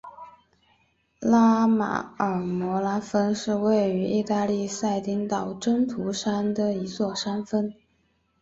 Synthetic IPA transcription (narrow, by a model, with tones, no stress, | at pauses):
la˥ma̰˨˩ə˞˨˩mɔ˧˥la˥fə˥nʂɻ̩˥˧we˥˩ɪy˧˥ʔi˥˧t̪a˥˧li˥˧sa˥˩ɪt̪i˧˥ŋt̪ɑ˨˩ʊʈ͡ʂə˥ŋt̪ʰu˧˥ʂa˥nd̪ə˨i˧˥t͡swɔ˥˩ʂa˥nfə˥n